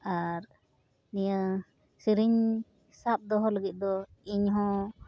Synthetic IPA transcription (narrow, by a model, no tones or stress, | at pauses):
aɾ | nijə | siɾiɲ | sap̚d̪ɔɦɔləɡit̪̚ˀd̪ɔiɲɦɔ̃